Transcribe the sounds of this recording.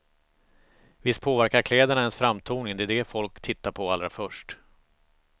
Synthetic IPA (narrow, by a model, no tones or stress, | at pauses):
vɪst̪̚pʰoːvæɾkaɾkʰlɛːd̪əɳaɛnsfɾamt̪ʰuːnɪŋd̪ɛd̪ɛfɔlkt̪ʰɪt̪ːaɾpʰɔalɾa̰fœʂʈ